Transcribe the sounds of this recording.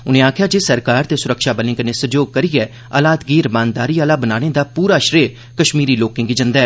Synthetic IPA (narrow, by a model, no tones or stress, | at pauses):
ʊnẽːaːkʰjaːd͡ʒeːsəɾkaːɾt̪eːsʊɾəkʃaːbəlɪ̃ːkəneːsəd͡ʒoːɡ̚kəɾiːɛː | aːlaːt̪ɡiːɾmãːnd̪aːɾiːaːlaːbənaːɽ̃eːd̪aːpuːɾaːʃɾeː | kəʃmiːɾiːloːkɪ̃ŋɡid͡ʒənd̪aɛː